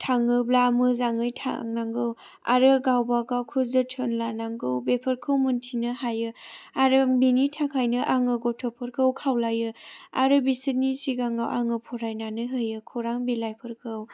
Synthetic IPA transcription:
tʰaŋɯblamɯzaŋɯjtʰa̰ŋnaŋɡɯw | a̰ɾɯɡawbaɡakʰuzɯtʰɯnlanaŋɡɯwbepʰɯɾkʰɯwmɯntʰinɯhajɯaɾɯbinitʰakʰajnɯʔaŋɯɡɔtʰɔpʰɯɾkʰɯwkʰawlajɯaɾɯbisɯnisiɡaŋawʔaŋɯpʰɔɾajnanɯɦɯjɯkʰɔɾaŋbilajpʰɯɾkʰɯw

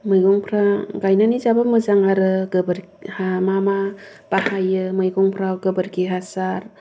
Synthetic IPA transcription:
mɯjɡɔŋpʰɾaɡajnanizabamɯzaŋaɾɯɡɯbɯɾ | hamama | b̥ahajɯmɯjɡɔŋpʰɾawɡɯbɯɾɡiɦasaɾ

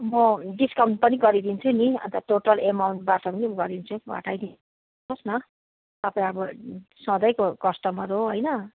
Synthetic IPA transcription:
mʌɖiskʌw̃ʈ̚pʌniɡʌɾid̪int͡sʰuniʌ̰nt̪ʌʈoʈʌlemawɳʈ̚baʈʌpʌnimɡʌɾd̪int͡sʰuɡʱʌ̰ʈʰajd̪in | osnʌ | t̪ʌpaĩʌbʌsʌ̃d̪ʌjkokʌsʈʌmʌɾoɦojnʌ

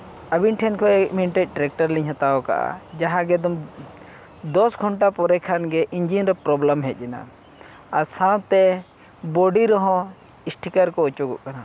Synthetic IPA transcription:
ɐbinʈʰɛnkʰɔɛk̚miniʈet̪̚ˀʈɾɛk̚ʈəɾlĩɲɦat̪aɔka̰ʔa̰d͡ʒaɦãɡɛd̪ɔm | d̪ɔsɡʱɔɳʈapɔɾɛkʰanɡɛʔiɲd͡ʒinɾɛpɾɔbləmɦɛt̪̚ˀd͡ʒina̰ | asãt̪ɛ | bɔɖiɾɔɦɔ̃ | isʈʰikəɾkɔut͡ʃuɡɔʔkana

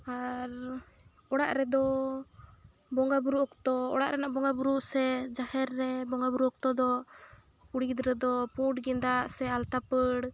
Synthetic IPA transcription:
aɾ | ɔɽaʔɾɛd̪ɔ | bɔŋɡabuɾuʔkt̪ɔɔ̰ɽa̰ʔɾɛnaʔbɔŋɡabuɾuʔsɛd͡ʒahɛɾːɛbɔŋɡabuɾuɔk̚t̪ɔd̪ɔ | uɽiɡd̪ɾɛd̪ɔpuʈɡɛnd̪aʔsɛalt̪apəɽ

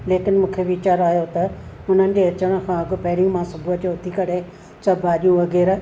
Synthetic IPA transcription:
leːkɪnmũːkʰeʋit͡ɕaːɾaːjot̪ɐʊn̤ənɪ̆d͡ʑeɐt͡ɕəɽ̃ə̃̆kʰãːɐɡopɐɦɪɾɪ̃mãːsɐbʱuɦət̪joʊt̪ʰikɐɽe | sɐbʱaːɗijũʋɐɣɛːɾa

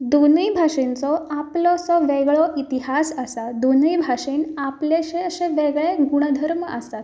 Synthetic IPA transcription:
d̪onəjbʱaʂint͡sɔaplɔsɔʋeɡɭɔʔit̪iɦasəsad̪onijbʱaʂiːnapleɕeəɕẽʋeɡɭeɡuɽ̃əd̪ʱəɾməəst̪at̪

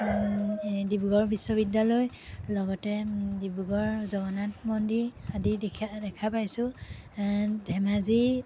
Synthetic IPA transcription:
dibuɡɔɹbisːɔbidːalɔj | lɔɡɔtɛdibuɡɔɹzɔɡɔnatmɔndiɹadidʰdɛkʰapajsʊ̃ | dʱɛmazi

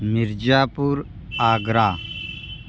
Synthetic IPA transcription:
miɾd͡ʒaːpuːɾ | aːɡɾaː

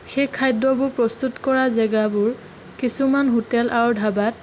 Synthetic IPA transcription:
xekʰːajdɔbʊɹpɹɔstutkɔɹazɛɡabʊɹ | kisumanɦotɛlʔawdʱabat̚

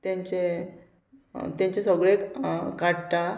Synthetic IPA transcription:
t̪jãɲt͡ɕe | t̪jãɲt͡ɕesəɡɭekaɽʈ̪a

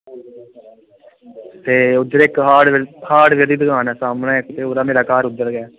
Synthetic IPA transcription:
t̪eːʊd̪ːəɾɪkɦaːɽhaːɽʋed̪iːd̪əɡaːnaːsaːmnãːɪkt̪eːoːɾaːmeːɾaːkaːɾʊd̪ːəɾɡɛː

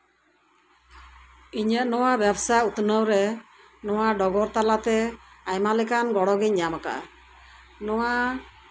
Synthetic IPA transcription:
iɲəʔnɔwabjabsajut̪nəwɾɛ | nɔwaɖɔɡɔɾt̪alat̪ɛajmalɛkanɡɔɽɔɡiɲɲamaka̰ʔa̰ | nɔwaʔ

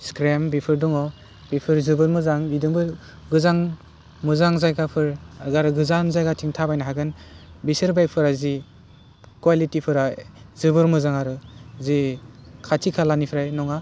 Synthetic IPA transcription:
skɾembipʰɯɾdɔŋɔ | bipʰɯɾzɯbɯɾmɯzaŋidɯŋbɯ | ɡɯzaŋ | mɯzaŋzajɡapʰɯɾaɡaɾɯɡɯzanzajɡatʰiŋtʰabajnaɦaɡɯnbisɯɾbajk̚pʰɯɾazi | kwalitipʰɯɾajzɯbɯɾmɯzaŋaɾɯzikʰatʰikʰalanipʰɾajnɔŋa

